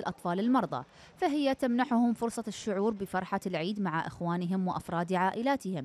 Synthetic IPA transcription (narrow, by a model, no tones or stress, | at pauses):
ɪlʔɑt̪ˤfɑːlɪlmɑɾˤðˤɑ̰ | faɦɪjːat̪amnaħʊhʊmfʊɾsˤɑʃːʊʕuːɾbɪfɑɾˤħalʕiːd̪maʕaʔɪxwaːnɪɦɪmwɪʔɑfɾˤɑːd̪ʕaːʔɪlaːt̪ɪhɪm